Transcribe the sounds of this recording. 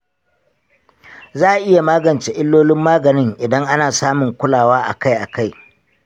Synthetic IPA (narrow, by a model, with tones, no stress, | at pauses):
zaː˦˨ʔɪ˦ja˨maː˦ɡɐ˨nt͡ʃe˨ʔɪ˦lːoː˦lɪ˦mːaː˦ɡɐ˨nɪ˦ŋʔɪ˨dɐ˦ŋʔa˦naː˨saː˦mʊ˨ŋkʷʊ˦laː˨waː˦ʔa̰˨ka˦jʔa˨ka˦˨j